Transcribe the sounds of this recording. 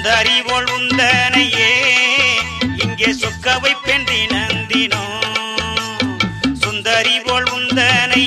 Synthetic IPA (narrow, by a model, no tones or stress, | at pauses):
d̪ɐɾipoːɭʋʊnd̪ɐnɐjeː | ɪŋɡeːsɔkːɐʋɐɪpːendrinɐnd̪ɪnu | sʊnd̪ɐɾipoːɭʋʊnd̪ɐnɐ